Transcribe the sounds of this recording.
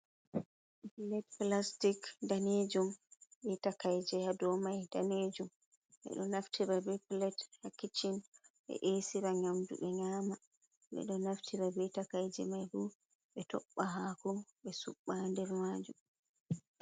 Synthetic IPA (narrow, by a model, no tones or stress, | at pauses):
plɛt̚plastikdaned͡ʒumɓɛtakajd͡ʒɛhadɔmajd̥aned͡ʒum | ɓɛ̰ɗɔnaftiɾabɛplɛthakːit͡ʃinɓɛ̰ʔesiɾaɲamdṵɓɛɲaːma | ɓɛ̰ɗɔnaftʰiɾabɛtakajd͡ʒɛ̰majbu | ɓɛtɔɓːaɦakɔɓɛsuɓːandɛɾmaːd͡ʒum